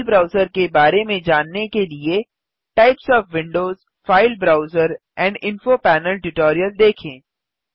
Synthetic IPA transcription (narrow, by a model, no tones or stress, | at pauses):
lbɾaːʊzəɾkebaːɾemẽd͡ʒaːnːekelie | ʈaɪpsɔːfʋɪ̃ɳɖoːz | faːɪlbɾaːʊzəɾ | ɛ̃ːɳɖɪ̃nfopɛːnəlʈʊʈoːɾijəld̪eːkʰẽː